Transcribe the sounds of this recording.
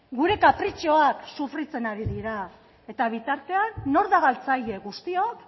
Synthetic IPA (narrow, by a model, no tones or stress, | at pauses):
ɡuɾe̞kapɾit͡ʃo̞aksufrit͡se̞naɾiðiɾa | e̞t̪aβ̞it̪aɾt̪e̞anːo̞ɾðaɣalt͡saje̞ɣust̪io̞k